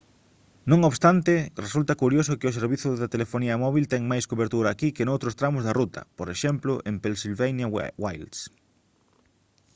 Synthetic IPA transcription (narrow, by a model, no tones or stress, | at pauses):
nõŋoβst̪ant̪ɪresult̪ɐkuɾjosʊkɪʊseɾβiθʊðɐt̪elefoniɐmɔβilt̪ɛŋmajskoβeɾt̪uɾɐːkikenowt̪ɾost̪ɾamʊzðɐrut̪ʰɐ̰poɾeʃɛmplʊʔempensilβejnjɐwajls